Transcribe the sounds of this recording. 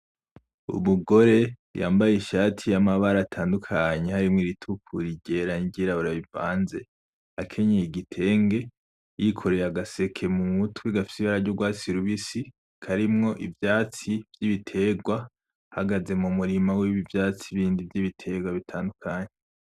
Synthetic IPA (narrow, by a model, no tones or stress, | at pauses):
ṵmuɡo̞ɾe̞ | ja̰ːmbajeʃatʰijamaβaɾaːtʰaːndukʰaɲe̞haɾimŋiɾitʰukʰuɾiɟe̞ɾaniɟiɾaβuɾaβiva̰ːnze̞ | akʰe̞ɲejiɡitʰe̞ːŋɡe̞ | jikʰo̞ɾe̞ɾaɡase̞kʰe̞muŋutwiɡafi̥siβaɾaɾɟuɡwaːt͡siɾuβisi | kʰaɾimŋo̞ʔivjaːt͡sivjiβitʰe̞ɡwa | haɡaze̞mumuɾimawiβivjaːt͡siβiːndivjiβitʰe̞ɡwaβitʰaːndukʰaɲe